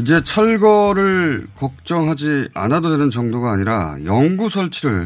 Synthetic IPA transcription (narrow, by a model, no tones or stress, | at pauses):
id͡ʑe̞t͡ɕʰʌɭɡʌɾɯɭkʌk̚t͡ɕ͈ʌŋɦad͡ʑia̰nadodenɯnt͡ɕʌŋdoɡaːɲiɾa̰jʌŋɡusʰʌɭt͡ɕʰiɾɯɭ